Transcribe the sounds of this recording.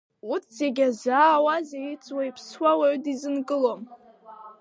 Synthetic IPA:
utʰz̥eɡʲazaːwazajit͡sʼwaipʰswawaɥdizɨnkʼɨlo̞m

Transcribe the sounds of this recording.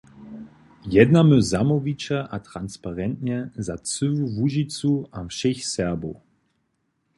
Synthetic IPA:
jɛd̪naməzamɔvit͡ʃɛʔat̪ɾanspaʁɛnt̪ɲɛzat͡sɨvuvuʒit͡suʔafʃɛxsɛʁbow

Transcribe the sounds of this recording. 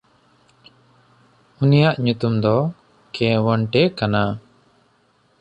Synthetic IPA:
unijaʔɲut̪umd̪ɔ | kɛ̃wəɳʈɛkana

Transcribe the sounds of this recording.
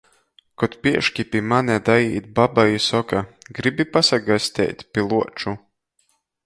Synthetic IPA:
kɔt̪piɛʃkʲipimanʲɛd̪ajiːt̪̚babajisɔkaɡɾibipasaɡasʲt̪ʲɛ̰ːt̪ʲpʲilˠuɔt͡ʃu

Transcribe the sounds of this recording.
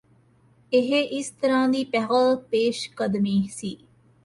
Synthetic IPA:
eɦeʔist̪ɐɾãːnd̪iːpɛʁəlpeːʃkɐd̪miːhsiː

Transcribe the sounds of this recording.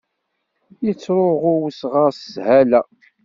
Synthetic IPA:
jət͡sːɾoʁʊwsʁəshælæ

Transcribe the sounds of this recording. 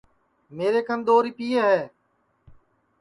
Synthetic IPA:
meːɾeːkənd̪oːɾiːpiːeɦɛː

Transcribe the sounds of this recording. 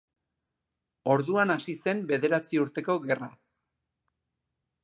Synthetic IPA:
o̞ɾðuanasise̞mbe̞ðe̞ɾat͡siuɾt̪e̞ko̞ɣe̞ra

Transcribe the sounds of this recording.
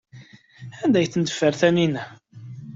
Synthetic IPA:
ænd̪æjθənd̪ə̥fːəɾθæninæ

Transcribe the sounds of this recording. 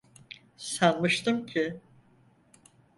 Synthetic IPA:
sanmɯʃt̪ɯmcʰɪ

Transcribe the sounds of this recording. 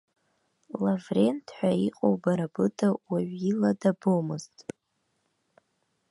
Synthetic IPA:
lavre̞ntʰħʷᶣaiqʼowbaɾabɨtʰawaɥiladabomɨztʼ

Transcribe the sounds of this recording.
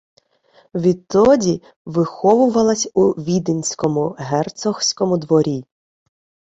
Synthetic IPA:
ʋʲit̪ːɔdʲi | ʋɪxɔʋʊʋɐlˠɐsʲuʋʲid̪ɪnʲsʲkɔmʊɦɛrt̪sɔxsʲkɔmʊd̪ʋɔɾʲi

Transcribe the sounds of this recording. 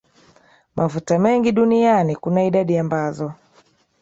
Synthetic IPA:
mʔavutamɛŋɡiɗunianikunaiɗaɗiambazɔ

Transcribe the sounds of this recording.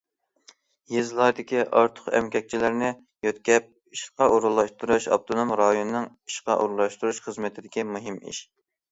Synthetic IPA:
jezlˠɑɾd̪ɪkʲiʔɑɾt̪ʰʊ̥qɛ̰mkʲɛk̚ʲt͡ʃʰilɪɾnɪ | jøt̪kʲɛp̚ | iʃqɑʔuɾulˠːɑʃt̪uɾuʃɑ̰p̚t̪ʰonomɾɑjonɨnɨŋ | i̥ʃqɑʔuɾlˠɑʃt̪uɾuʃχəzmɪt̪ʰɪd̪ɪkʲimuɦɨmḭʃ

